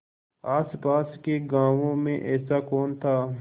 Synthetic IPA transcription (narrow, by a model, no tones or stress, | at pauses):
aːspaːskeɡãːʋõmḛ̃ʔɛːsakoːnt̪ʰaː